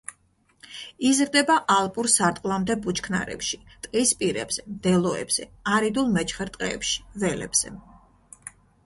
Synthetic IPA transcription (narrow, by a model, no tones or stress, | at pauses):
izɾd̪ɛbaʔalˠpʼuɾsaɾt̪ʼqʼlˠamd̪ɛbut͡ʃʰkʰna̰ɾɛ̰pʃi̥t̪ʼqʼispʼiɾɛbz̥ɛmd̪ɛlˠɔɛ̰bz̥ɛaɾid̪ulˠmɛt͡ʃʰχɛɾt̪ʼqʼɛːpʃi̥vɛlɛ̰b̥z̥ɛ̰